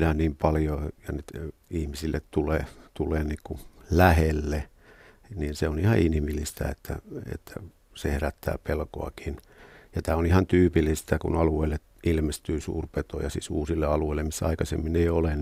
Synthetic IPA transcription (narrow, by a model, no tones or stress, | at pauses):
nænniːmpɑljojɑnyt̪ihmisilːʔett̪uleːt̪uleːniːkulæhelːe | niːnseonihɑinhimilːist̪æ̰ḛt̪ːæ̰ḛt̪ːæ̰ | sehræt̪ːæ̰ːpelko̰ɑ̰kin | jɑt̪æːonihɑnt̪yːpilːist̪ækṵnɑlueilːe | ilmest̪yːsṵːrpet̪ojɑsḭːsuːsilːeɑlueilːemisːæɑikɑsḛmːineiolen